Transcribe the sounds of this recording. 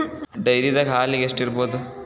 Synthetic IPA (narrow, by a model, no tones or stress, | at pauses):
ɖɐjɾid̪ɐkaːliɡesʈiɾboːd̪u